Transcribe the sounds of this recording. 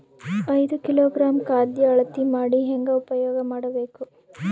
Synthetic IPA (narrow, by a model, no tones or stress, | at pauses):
ɐjd̪ukiloːɡɾaːmkaːd̪jɐːɭɐt̪ːimaːɽiɦɛŋɡɐupɐjoːɡɐmaːɽɐbeːku